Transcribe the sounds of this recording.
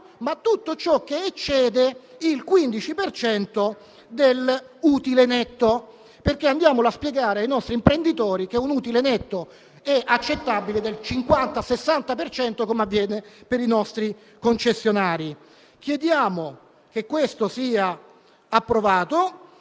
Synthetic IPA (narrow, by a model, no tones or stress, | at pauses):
mat̪ːut̪ːot͡ʃɔk̟ːeet͡ʃːɛːd̪eilkwind̪it͡ʃipert͡ʃɛnt̪o | d̪eluːt̪ilenɛt̪ːo | perkeand̪jaːmolaspjeɡaːɾeajnɔst̪ɾimpɾend̪it̪ɔːɾik̟eunuːt̪ilenɛt̪ːo | ɛʔat͡ʃːet̪ːabiled̪elt͡ʃiŋkwant̪asesːant̪apert͡ʃɛnt̪okomeavːjɛːnepeɾinɔst̪ɾi | kont͡ʃesːjonaːɾi | k̟jed̪jaːmo | kekːwest̪osiːa | apːɾovaːt̪o